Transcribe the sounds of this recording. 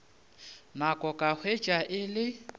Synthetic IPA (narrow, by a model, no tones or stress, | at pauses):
nakʼɔkʼahʰwe̥t͡ʃʼaʔɪlɪ